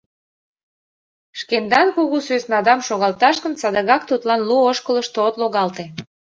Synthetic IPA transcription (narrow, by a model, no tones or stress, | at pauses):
ʃkend̪ɑnkuɣusøsnɑd̪ɑmʃoɣɑlt̪ɑʃkənsɑd̪əɣɑkt̪ut̪lɑnluoʃkələʃt̪ot̪loɣɑlt̪e